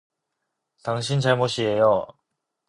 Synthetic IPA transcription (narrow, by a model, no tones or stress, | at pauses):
taŋɕʰint͡ɕaɭmoɕʰiejʌ